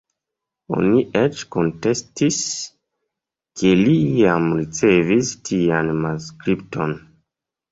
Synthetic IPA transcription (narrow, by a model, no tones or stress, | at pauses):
o̞̰niʔet͡ʃko̞nte̞stis | kʰe̞liamɾit͡se̞vistʰianmanskɾip̚tʰo̞̰n